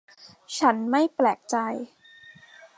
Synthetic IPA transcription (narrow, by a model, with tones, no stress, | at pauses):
t͡ɕʰa˦˥nma˥˩jplɛː˨˩k̚t͡ɕa˧j